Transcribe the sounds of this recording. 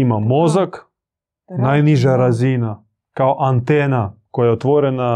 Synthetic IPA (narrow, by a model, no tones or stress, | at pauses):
imamozak | najniʒaɾazina | kaoʔant̪eːnakojajeot̪ʋoɾena